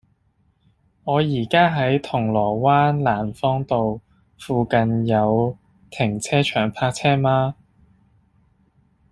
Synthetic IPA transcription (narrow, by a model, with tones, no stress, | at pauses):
ŋɔː˨˧jiː˨˩kaː˥ɦɐ˨˥jt̪ʰʊ˨˩ŋlɔː˨˩waː˥nlaː˨˩nfɔː˥ŋt̪o˨w | fuː˨˧kɐ˨njɐ˨˧w | t̪ʰɪ˨˩ŋt͡sʰɛː˥t͡ʃʰœː˨˩ŋpʰaː˧k̚t͡sʰɛː˥maː˧